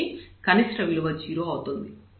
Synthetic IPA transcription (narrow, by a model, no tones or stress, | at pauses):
ikɐnisɾɐʋiluʋɐt͡ʃiːɾuɐwut̪und̪i